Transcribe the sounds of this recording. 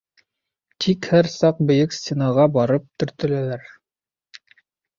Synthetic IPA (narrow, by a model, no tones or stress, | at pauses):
t̪ʰikhæɾsɑq̚bɘ̆jɵksʲt̪ʲenɑʁɑbɑɾɤp̚t̪ɵ̆ɾt̪ɘ̆lælæɾ